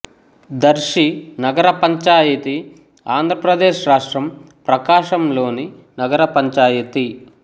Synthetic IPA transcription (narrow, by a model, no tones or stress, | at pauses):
d̪ɐɾʃinɐɡɐɾɐpɐɲt͡ʃaːjɐt̪i | aːnd̪ʱɾɐpɾɐd̪eːʃɾaːʂʈɾɐm | pɾɐkaːʃɐmlo̞ːni | nɐɡɐɾɐpɐɲt͡ʃaːjɐt̪i